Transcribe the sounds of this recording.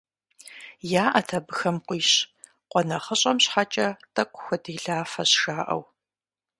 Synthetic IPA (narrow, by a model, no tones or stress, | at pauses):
jaːʔɐtʰɐbɨxɐmqʷiːɕ | qʷɔnɐχəɕʼɐmɕħat͡ʃʼɐtʼɐkʷʼʊxʷɐdiːɮaːfɐɕʂaːʔɐ̰w